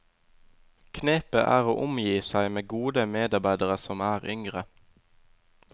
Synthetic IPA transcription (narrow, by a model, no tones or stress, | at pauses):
kʰneːpəʔæːʁoːʔʊmjiːsæɪmeːɡuːd̪əmeːd̪ɑʁbæɪd̪əʁəsɔmæːʁʏŋʁə